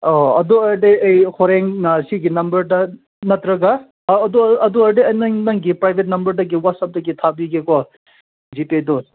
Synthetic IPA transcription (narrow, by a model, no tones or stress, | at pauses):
ɔɐd̪uɐɾdeɐjhʰoɾeŋɐsiɡinɐmbɐɾdɐ | nɐt̪ɾɐɡaː | d̪uɐd̪uɐɾdeɐjnɐŋnɐŋɡipɾajbʱet̚nɐmbɐɾdɐɡiwatsap̚dɐɡit̪ʰabiɡekɔ | d͡ʒipedo